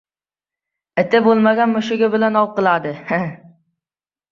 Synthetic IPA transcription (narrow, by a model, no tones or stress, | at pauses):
ɪt̪ʰɪbolˠmaɡʲanmʊʃɪɡʲabɪlanɒwqɨlˠad̪ɪha